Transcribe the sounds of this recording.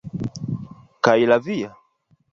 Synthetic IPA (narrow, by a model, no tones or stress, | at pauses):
kailavija